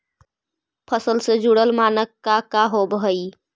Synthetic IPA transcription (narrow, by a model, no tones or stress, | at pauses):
pʰəsəlsed͡ʒuɽəlmaːnəkːakaɦobəɦəi